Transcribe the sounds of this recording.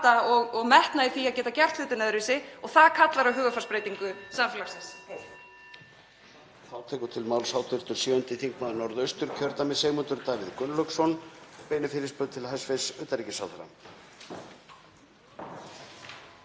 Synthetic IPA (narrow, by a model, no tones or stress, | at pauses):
t̪aɔɣɔɣmɛht̪naðɪθiaðcɛːt̪acɛr̥t̪lʏːt̪ɪnaðɾɪsɪɔɣθaðkʰat̪laɾawɦʏːɣʏfarspɾeːjt̪iŋkʏsamfɪlaɾsɛs | θawt̪ʰɛːkʏt̪ʰɪlmaːwlsaːwt̪ʰʏɾ̥t̪ʏɾ̥siːʏnt̪ɪθiŋkmaðnɔɾðœɥst̪ʏɾ̥cʰœɾt̪amɛðseːjmʏnt̪ʏɾt̪aːvɪðkʏnlœksɔnpeːjnʏfɪːɾɪspœːðt̪ʰɪlɦajsvesœt̪aɾicɪ̥sawθaɾa̰